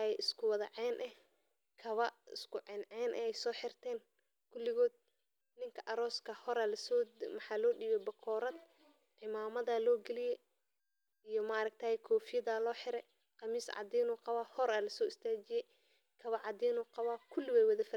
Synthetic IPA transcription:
ɛɪskʰʊwɑðɐʕɛːnʔɛh | kʰɐβɐɪ̰skʰʊʕɛnʕɛːnʔɛ̰ɛjsɔːħɪrt̪ʰɛːn | kʰʊlːɪɣɔːd̪̚ | nɪŋkʰɐʔɐɾɔːskʰɐhɔɾaːlɐsɔːmɐħɑːlɔːɗiːβɛbɐkʰɔːɾɐd̪ | ʕɪmaːmɐðɐlɔːɡɛlɪjɛ | ijɔmɐɐɾɐɡ̚t̪ʰaːhɛkʰɔːfɪjɐðaːlɔːħɪɾɛ | qɑmiːsʕɑ̰d̪iːnuːqɑβaːhɔɾaːlɐsɔːɪst̪ʰaːt͡ʃɪjɛj | kʰɐβɐʕɑd̪iːnuːqɑβaːkʰʊlːɪwɛjwɐðɐfɐ

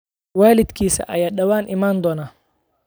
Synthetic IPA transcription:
waːlɪd̪kʰiːsɐ̰ʔɐjaːɗɐwaːnʔɪmaːnd̪ɔːnaː

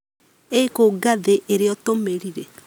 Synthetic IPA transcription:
ekoɡaðeʔeɾeɔtomeɾiɾe

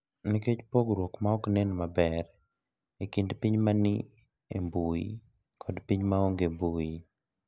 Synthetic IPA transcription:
niket͡ʃpoɡɾwokmaɔknɛnmabɛɾ | ikɪndpiɲmanɪ | ḛmbuḭ | kʰɔdpiɲmaɔŋɡembui

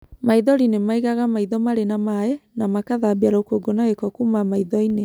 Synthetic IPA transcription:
maiðɔɾinemaiɣaɣamaiðɔmaɾenamaenamakaðabiaɾookoɡonaɣekɔkumamaiðɔine

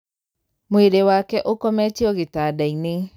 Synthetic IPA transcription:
moeɾewakɛʔokɔmɛt͡ʃeɔɣetadaine

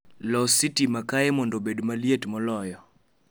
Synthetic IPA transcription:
lɔsitimakaɛmɔndobedmalijetmɔlɔjɔ

